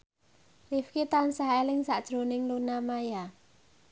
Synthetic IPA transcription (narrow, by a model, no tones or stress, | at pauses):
rifkit̪ansaɦɛliŋsaʔt͡ʃɾoniŋlunamaja